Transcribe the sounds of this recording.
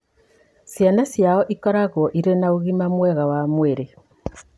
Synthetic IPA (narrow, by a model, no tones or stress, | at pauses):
sjanasjaɔʔikɔɾaɣwɔʔiɾenaoɣimamwɛɣawamweɾe